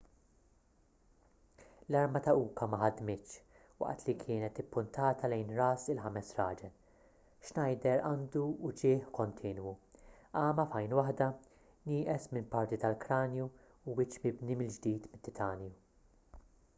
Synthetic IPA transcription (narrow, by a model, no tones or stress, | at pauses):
lɐɾmɐt̪ɐʔuːkɐmɐħɐd̪mɪt̪ːʃ | wɐ̰ʔt̪likʰɪːnɛt̪ɪpːʊnt̪ɐːt̪ɐlɛjnɾɐːsɪlħɐmɛsɾɐːd͡ʒɛl | ʃnɐjd̪ɛɾɐːnd̪uːt͡ʃɪːħkɔnt̪ʰiːnwu | ɐːmɐfɐjnwɐħd̪ɐ | nɪːʔɛsmɪnpɐɾt̪it̪ɐlkɾɐːnjuː | wɪt͡ʃmɪbnimɪld͡ʒd̪iːt̪mɪt̪ːɪt̪ʰɐːnju